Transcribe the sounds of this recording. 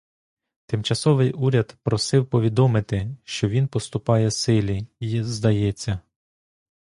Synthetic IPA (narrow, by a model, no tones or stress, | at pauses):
t̪ɪmt͡ʃɐsɔʋɪjʔuɾʲɐd̪pɾɔsɪwpɔʋʲid̪ɔmɪt̪ɪʃt͡ʃɔʋʲinpɔst̪ʊpɑjɛsɪlʲiizd̪ɐjɛt͡sʲːɐ